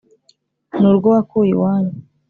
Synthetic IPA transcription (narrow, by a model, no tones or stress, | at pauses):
nuːɾɡowakuːjḭwaːɲe